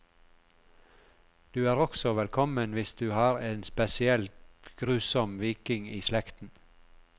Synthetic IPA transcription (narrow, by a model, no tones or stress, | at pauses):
d̪̥ʉːæːʁɔksɔʋɛlkʰɔmənʋɪsd̪ʉːhɑːɾeːnspɛsɪɛlt̪ɡ̥ɾʉːsɔmʋiːkɪŋiːslɛkt̪n̩